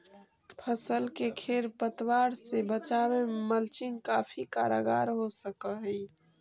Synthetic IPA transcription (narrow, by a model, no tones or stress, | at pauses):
pʰəsəlkekʰeɾpət̪waɾsebət͡ʃaweməlt͡ʃɪŋɡkapʰika̰ɾaɡa̰ɾɦosəkəɦə